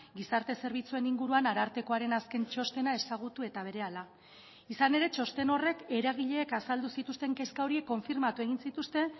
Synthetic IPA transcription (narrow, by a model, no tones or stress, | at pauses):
ɡisaɾt̪e̞se̞ɾβ̞it͡sue̞niŋɡuɾuanaɾaɾt̪e̞ko̞aɾe̞naske̞nt͡ʃo̞st̪e̞nae̞saɣ̞ut̪ue̞t̪aβ̞e̞ɾe̞ala | isane̞ɾe̞t͡ʃo̞st̪e̞no̞re̞ke̞ɾaɣ̞iʎe̞ːkasald̪usit̪ust̪e̞ŋkeskaoɾiekːo̞ɱfiɾmat̪ue̞ɣ̞insit̪ust̪e̞